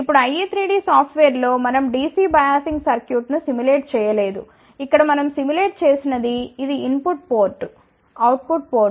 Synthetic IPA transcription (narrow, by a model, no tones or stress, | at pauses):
ipːuɽuɐjiːt̪ʰɾiːɖiːsaːpʰʈʋeːɾlo̞ːmɐnɐmɖiːsiːbɐjaːsiŋɡsɐɾkjuːʈnusimule̞ːʈ̚t͡ʃɛːjɐle̞ːd̪ṵ | ikːɐɽɐmɐnɐmsimule̞ːʈ̚t͡ʃe̞ːsinɐd̪iːd̪iːnpuʈ̚poːɾʈ | ɐwʈ̚puʈ̚poː